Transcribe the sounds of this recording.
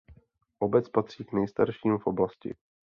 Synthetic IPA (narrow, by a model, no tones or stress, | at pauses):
ʔobɛt͡spat̪r̝̥iːknɛjst̪aɾʃiːmfʔoblascɪ̰